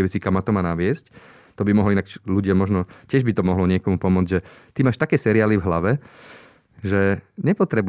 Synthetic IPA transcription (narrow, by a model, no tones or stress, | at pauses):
ʋɛt͡sikamːat̪ɔmaːnaʋɪɛsc | t̪ɔbimɔɦlɔinakluɟɪamɔʒnɔcɪɛʒbit̪ɔmɔɦlɔɲɪɛkɔmupɔmʊɔd͡zɟʒɛt̪imaːʃt̪akɛːsɛɾiaːlivɦlaʋɛ | ʒɛɲɛpɔt̪ɾɛbu